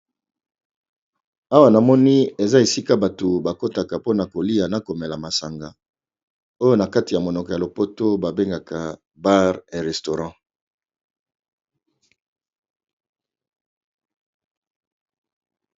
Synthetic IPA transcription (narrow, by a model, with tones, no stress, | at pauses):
a˦wa˨na˨mɔ˦ni˦e˨za˦e˨si˦ka˦ba˨to˨ba˨ko˦ta˨ka˨po˦na˨ko˨li˦a˨na˨ko˨me˨la˨ma˨sa˨ŋɡa˨ | o˦jo˦na˨ka˦ti˨ja˨mo˨nɔ˨kɔ˨ja˨lo˨po˦to˦ba˨be˦ŋɡa˨kʰa˨ | ba˦ʁe˨ʁɛ˨sto˨ʁɑ̃˦˨